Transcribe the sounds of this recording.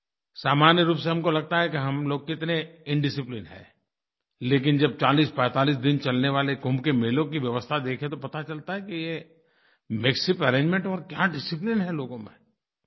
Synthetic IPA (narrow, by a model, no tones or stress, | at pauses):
saːmaːnjəɾuːpseɦɐmkolɐɡ̚t̪aɦɛkiɦɐmloːɡ̚kɪɪt̪neɪɳɖɪsɪplɪnɦɛ̰̃ː | leːk̬ɪnd͡ʒɐb̚t͡ʃaːliːspɛ̃ːt̪aːliːs̬d̪ɪnt͡ʃɐlneʋaːleɡʱʊ̃mbkemeːlõkiʋjɐʋəst̪ʰad̪eːkʰẽt̪opɐt̪at͡ʃɐlt̪aɦɛkije | meːksɪpɐɾẽːɲd͡ʒmẽɳʈɔːɾkjaɖɪsɪplɪnɦɛloːɡõmḛ̃